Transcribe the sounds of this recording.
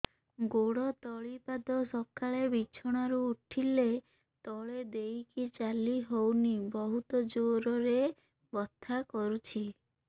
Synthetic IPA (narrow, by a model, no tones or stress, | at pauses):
ɡoɽɔt̪ɔɭipad̪ɔsɔkaɭebit͡ʃʰɔɽ̃aɾuːʈʰile | t̪ɔɭed̪ejkit͡ʃaliɦownibɔɦut̪ɔd͡ʒoɾɔɾe | bɔt̪ʰːakɔɾut͡ʃʰi